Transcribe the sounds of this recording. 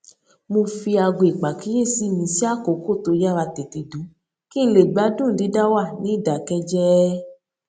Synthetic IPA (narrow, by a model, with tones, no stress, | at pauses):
mõ˧fi˧a˧ɡo˧i˨k͡pa˨ki˦je˦˨si˨˦mĩ˧˦si˦a˦˨ko˨˦ko˦˨to˧˦ja˦˨wa˧te˨ti˨dũ˨˦ | ki˦n̩˦le˨ɡ͡ba˨˦dũ˦˨n̩˨i˨˦da˦wa˦˨nĩ˨˦˨da˨kɛ˧d͡ʒɛ˦